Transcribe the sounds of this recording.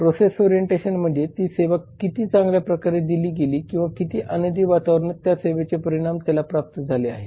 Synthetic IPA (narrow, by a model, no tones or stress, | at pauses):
pɾosesoɾijeɳʈeɕənm̤əɖ̪ʱjet̪iːseʋəkːit̪iːt͡sãŋɡljapɾəkaɾed̪iliːɡeliːkĩw̃ʋakit̪iːʔənəd̪ʱiːʋat̪aʋəɾɳət̪jaseʋet͡sepəɾiɽ̃amt̪jalapɾap̚t̪əd͡zʱaleaɦe